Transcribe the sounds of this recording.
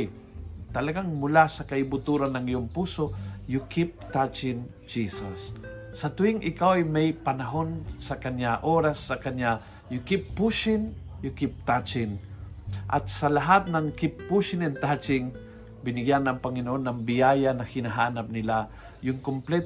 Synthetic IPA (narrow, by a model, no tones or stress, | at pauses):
t̪ɐlɐɡaŋmʊlasɐkɐɪbʊt̪uɾanːɐŋɪjoŋpuːsojʊkɪp̚t̪at͡ʃɪn | d͡ʒisɐsː | ɐt̪ʊɪŋʔɪkawajmɐjpɐnɐɦonsɐkɐɲaʔoɾasːɐkɐɲa | jʊkɪpːuʃɪnjʊkɪp̚t̪at͡ʃɪn | ʔɐ̰t̪̚sɐlɐɦat̪̚nɐŋkɪpːuʃɪnɛnt̪at͡ʃɪŋ | bɪnɪɡjanɐŋpɐŋɪnoʔonːɐŋbɪjajanɐhɪnɐɦaːnap̚nɪla | jʊŋkʊmplɛt̪